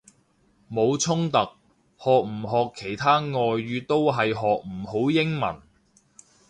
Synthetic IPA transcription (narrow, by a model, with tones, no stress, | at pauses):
mo˨˧wt͡sʰʊ˥ŋt̪ɐ˨k̚ | hɔː˨k̚m̩˨˩ɦɔː˨kʰːe˨˩jt̪ʰaː˥ŋɔː˨˧jːyː˨˧t̪o˥wɦɐ˨jɦɔː˨k̚m̩˨˩ho˨˥wjɪ˥ŋmɐ̰˨˩n